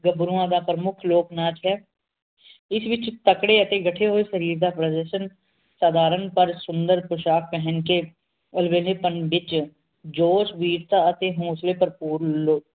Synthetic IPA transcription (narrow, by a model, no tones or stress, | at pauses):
ɡəbɾuãːd̪aːpɾəmʊkʰloːknaːt͡ʃɦɛː | ɪsʋɪt͡ʃt̪əkɽeːət̪eːɡəʈʰeːɦoːeːsəɾiːɾd̪aːpɾəd̪ɛʃən | saːd̪aːɾənpəɾsʊnd̪əɾpɾʊʃaːk̚pɛɦənkeː | əlʋeːleːpənʋɪt͡ʃ | d͡ʒoːsʋiːɾt̪aːət̪eːɦõːsleːpəɾpuːɾloː